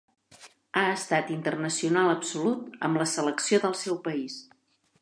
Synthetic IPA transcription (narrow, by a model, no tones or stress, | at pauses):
aəst̪at̪int̪ərnəsiunaləpsulut̪ə̰mləsələksioðəlˠsɛwpəis